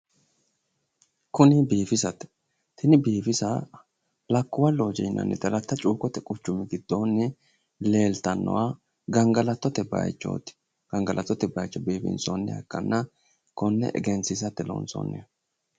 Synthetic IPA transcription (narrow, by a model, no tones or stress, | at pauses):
kʊnɪbiːfɪsɐt̪ɛ̥ | t̪ɪnɪbiːfɪsɐ | lɐkːʊwɐloːd͡ʒɛjnːɐ̰nːɛ̰t̪ɐlɐt̪ːɐt͡ʃʼuːkʼɔt̪ɛkʼʊt͡ʃːʊmɪɡɪd̪̥ːoːnːɛ | le̞ːlt̪ɐnːɔ̰wa | ɡɐŋɡɐlɐt̪ːɔt̪ɛbɐ̰jt͡ʃːo̰ːt̪ɪ̥ | ɡ̥ɐŋɡɐlʔɐt̪ːɔt̪ɛbɐjt͡ʃːɔbiːfɪ̰nsonːɛ̰ɐ̰kːɐnːɐ | kɔnːɛ̰ʔɛ̰ɡɛnsɪsɐt̪ːɛlo̰ːnso̰ːnːɛ̰